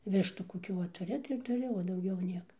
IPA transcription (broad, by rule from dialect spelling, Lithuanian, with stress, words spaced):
ˈʋʲɪʃtuː koːˈkʲuː ʋɐ tʊˈrʲɪ tɐɪ ɪr tʊˈrʲɪ oː dɐʊˈɡʲɛʊ ˈnʲiɛkɐ